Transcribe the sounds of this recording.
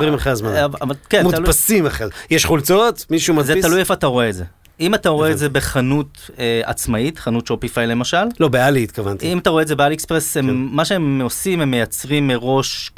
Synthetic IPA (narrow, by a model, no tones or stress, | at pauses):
ʁimalχaazmanvvalkenmut̪alpasimaχejeʃχult͡sot̪miʃumazet̪alujefataʁo̞eːtze̞ | imataʁoedzebe̞χanutea̰t͡smait̪χanutʃopifajle̞maʃallo̞bealiit̪̚kavant̪imat̪aʁo̞ezebealiekspʁesemːaʃeemosimhemːejat͡sʁimːeʁo̞ʃ